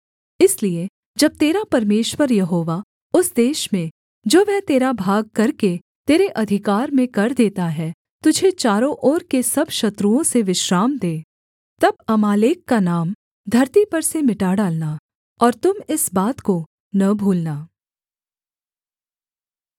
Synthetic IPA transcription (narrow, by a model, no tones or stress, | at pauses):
ɪslie | d͡ʒɐb̚t̪eːɾapɐɾmeːʃwəɾjɐɦoːʋa | ʊsd̪eːʃmẽ | d͡ʒoːʋɛːt̪eːɾabʱaːɡ̚kɐɾke | t̪eːɾeʔɐd̪ʱɪkaːɾmẽkɐɾd̪eːt̪aɦɛ | t̪ʊd͡ʒʱet͡ʃaːɾõʔɔːɾkesɐbʃɐt̪ɾuõseʋɪʃɾaːmd̪eː | t̪ɐb̚ɐmaːleːkːanaːm | d̪ʱɐɾt̪ipɐɾsemɪʈaɖaːlna | ɔːɾt̪ʊmɪsbaːt̪ko | nɐbʱuːlnaː